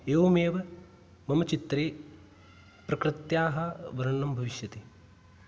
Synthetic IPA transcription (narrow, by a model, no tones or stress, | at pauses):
eːʋɐmeːʋɐ | mɐmɐt͡ʃit̪ɾeː | pɾɐkɾɪt̪jaːɦɐʋɐɾɐɳːɐmbʱɐʋiʃjɐt̪eː